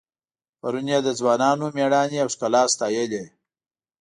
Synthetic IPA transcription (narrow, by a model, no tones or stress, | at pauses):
pɐɾunjad̪əzwɑːnɑːnomeɽɑːniawʂkalɑːst̪ɑːjele